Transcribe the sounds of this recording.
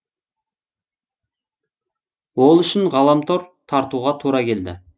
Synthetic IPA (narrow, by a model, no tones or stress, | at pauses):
wolˠʏʃɪnʁɑlˠɑmt̪ʰoɾt̪ʰɑɾt̪uʁɑt̪ʰuɾɑkʲʰe̞ld̪ɪ̰